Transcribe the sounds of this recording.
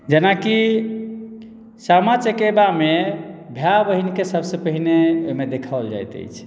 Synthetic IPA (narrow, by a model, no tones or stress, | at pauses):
d͡ʒenaki | samat͡ʃəkebamebʱjabəɦinkesəbsə̃pəɦineo̰imed̪ekʰald͡ʒa̰jt̪ə̰jt͡ʃʰ